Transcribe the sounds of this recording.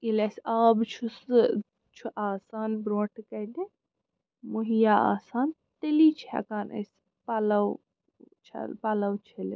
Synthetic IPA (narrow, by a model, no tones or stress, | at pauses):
ilɐsaːbt͡ʃʰus | t͡ʃʰuʔaːsaːnbɾoːʈkɐle | muɦijaa̰ːsaːn | t̪elit͡ʃʰɛ̰kaːnɐ̰s | pɐlɐ | t͡ʃʰɐ̰lpɐlɐwt͡ʃʰɐlḛ